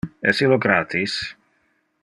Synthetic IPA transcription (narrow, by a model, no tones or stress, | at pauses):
ɛ̰siloɡɾaːt̪is